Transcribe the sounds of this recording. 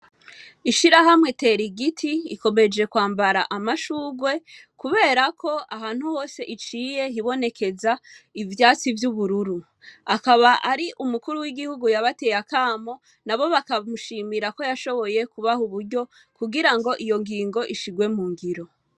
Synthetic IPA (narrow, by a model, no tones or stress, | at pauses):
iʃiɾaɦamŋe̞te̞ːɾiɡitʰiiko̞me̞d͡ʒe̞kwaːmbaɾaʔamaʃuːɡwe̞ | kuβe̞ːɾakʰo̞aɦaːn̥huho̞ːse̞ʔit͡ʃiːje̞ɦiβo̞ne̞kʰe̞zaivjaːt͡sivjuβuɾuɾu | akaβaʔaɾiʔumukuɾuwiɡihuɡujaβate̞jakaːmo | naβo̞βakamuʃiːmiɾako̞jaʃo̞βo̞je̞kuβahuβuɾɟo̞ | kuɡiɾaŋɡo̞ʔijo̞ŋɡiːŋɡo̞ʔiʃiɡwe̞muːŋɡiɾo̞